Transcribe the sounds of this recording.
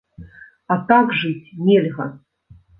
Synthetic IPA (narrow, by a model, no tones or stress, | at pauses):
at̪aɡʐɨt͡sʲmʲelʲɣɐ